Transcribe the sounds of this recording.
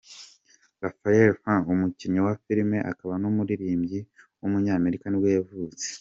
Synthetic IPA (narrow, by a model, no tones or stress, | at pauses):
ɾafajeɾfãumuciɲɲowafiɾime̞ʔa̰kaβanomuɾiɾiːmɟi | umuɲaːme̞ɾikaniwe̞ːvuːt͡se̥